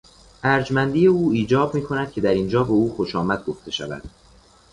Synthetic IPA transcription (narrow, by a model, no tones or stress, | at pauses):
ʔæɾd͡ʒmænd̪iːje̞uːiːd͡ʒɒːbmiːkʰo̞næd̪̥̚cʰe̞d̪æɾind͡ʒɒːbe̞uːxo̞ʃɒːmæd̪̥̚ɡo̞ft̪ʰe̞ʃæ̰væ̰d̪̥